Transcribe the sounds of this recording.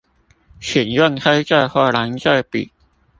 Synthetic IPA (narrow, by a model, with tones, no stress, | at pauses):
ɕʰɛ˨˩nɥɛ˥˨nkʰa˥ɪt͡sa˥˧ɪxwa˥˩la˨˧˥nt͡sa˥˩jpḭ˨˩